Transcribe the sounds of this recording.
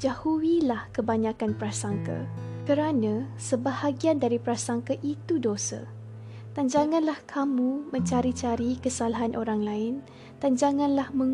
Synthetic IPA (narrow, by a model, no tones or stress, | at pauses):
d͡ʒahuwilahkəbaɲãkanpəɾasaŋka̰kəɾanãsəbahaɡiandaɾipəɾasaŋkaʔit̪udosa̰ | d̪and͡ʒaŋãnlahkʰamũmə̃ɲt͡ʃaɾit͡ʃaɾikəsalaɦanʔoɾaŋlaɪn | dand͡ʒaŋãnlahmə̃ŋ